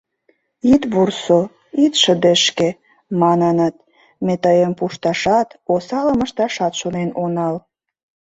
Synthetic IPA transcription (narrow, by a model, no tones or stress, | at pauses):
it̪βurso | it̪ʃə̆d̪əʃke | mɑnənət̪̚ | met̪əjəmpuʃt̪ɑʃɑt̪osɑləmə̆ʃt̪ɑʃɑt̪ʃonenonɑl